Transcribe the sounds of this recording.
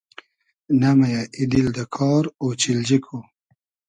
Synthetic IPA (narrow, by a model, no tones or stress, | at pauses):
namajaʔid̪ild̪əkʰɑːɾot͡ʃild͡ʑikʰo